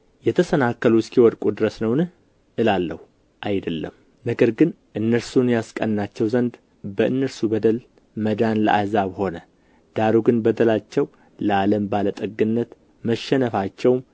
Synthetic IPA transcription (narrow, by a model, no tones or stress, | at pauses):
jɛt̪ʰəsənakːəluskiwɔd̪kʼud̪ɨɾəsnəwnɨh | ʔɨlalːə̰hu | ʔajd̪əlːə̰m | nəɡəɾɡɨn | ʔɨnːəɾsunjaskʼənːat͡ʃːɛwzənd̪ | bəʔɨnːəɾsubəd̪əl | məd̪anlə̰ʔahzaβho̞nə | d̪̥aɾuɡɨnbəd̪əlat͡ʃːɛw | ləaləmbalət̪ʼəɡːɨnːət̪ | məʃːɛnəfat͡ʃːɛwm